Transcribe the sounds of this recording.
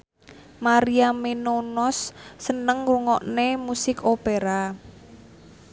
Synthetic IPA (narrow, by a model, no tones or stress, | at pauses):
maɾiamenonɔsːənəŋruŋɔʔnemusɪkʰopeɾa